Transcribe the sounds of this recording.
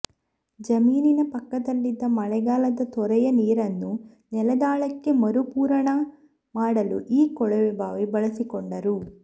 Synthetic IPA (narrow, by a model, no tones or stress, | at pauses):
d͡ʒɐmiːninɐpɐkːɐd̪ɐlːid̪ːɐmɐɭɛɡaːlɐd̪ɐt̪ɔɾɐjɐniːɾɐnːu | nɛlɐd̪aːɭɐkːe̞mɐɾupuːɾɐɳɐ | maːɽɐluʔiːkɔɭɐʋɛbaːʋebɐɭɐsikɔɳɖɐɾu